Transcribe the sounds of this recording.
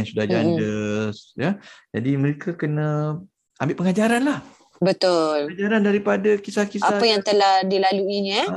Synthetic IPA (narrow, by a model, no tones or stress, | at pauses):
ansudahd͡ʒandəsjad͡ʒadiməɾekakənə̃ | ambɪʔpəŋad͡ʒaɾanlah | bət̪ʊlad͡ʒaɾandaɾipadakisahkisaapajaŋt̪əlahdilaluiɲə